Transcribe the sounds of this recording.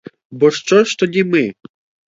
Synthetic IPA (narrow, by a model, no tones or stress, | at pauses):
bɔʃt͡ʃɔʃt̪ɔdʲimɪ